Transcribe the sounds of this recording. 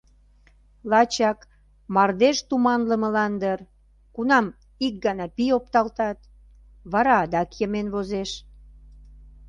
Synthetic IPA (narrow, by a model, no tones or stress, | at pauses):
lɑt͡ɕɑk | mɑrd̪eʃt̪umɑnləməlɑnd̪ər | kunɑm | ik̚ɡɑnɑpijopt̪ɑlt̪ɑt̪ | βɑɾɑd̪ɑkjəmenβozeʃ